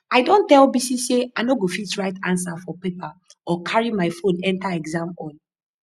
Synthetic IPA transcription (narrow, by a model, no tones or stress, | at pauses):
aɪdõntɛlbisiseaɪnoɡofitɹaɪtãns̬afɔpepaɔkʰaɹimaɪfõnɛ̃ntaɛɡzãmɔ̃n